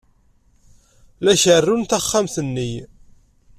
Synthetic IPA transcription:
læʃərːunt̪æχːamθənːi

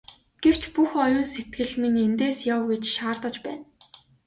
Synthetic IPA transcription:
ɡ̥ew̥t͡ɕpuxɔjʊːnset̪̚ɡɘ̆ɮmiŋent̪eːsjawɡet͡ɕʃaːrt̪ə̆t͡ɕpæːn

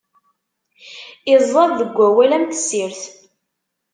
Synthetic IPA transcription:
ɪzːˤɑðˤðəɡʷːæwælæmt̪siɾθ

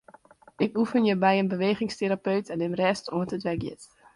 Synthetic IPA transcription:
ʔɪkufənjəbɛjənbəʋeːχɪŋsteɾapøɥtʰɛnɪmrɛstʰoəntətʋɛkjɪ̰t

